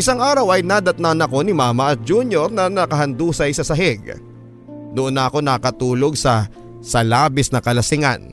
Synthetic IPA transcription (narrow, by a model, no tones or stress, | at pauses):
ʔɪsaŋʔaːɾɐwɐjnad̪ɐt̪nanɐko̞nɪmaːmɐʔɐt̪̚d͡ʒuːnjoɾnɐnɐkɐɦɐnd̪uːsɐjsɐsɐɦɛɡ̚ | nʊʔonːɐʔɐko̞nɐkɐt̪uːlo̞ɡ̚sɐ | sɐlaːbɪsnɐkɐlɐsɪŋa̰n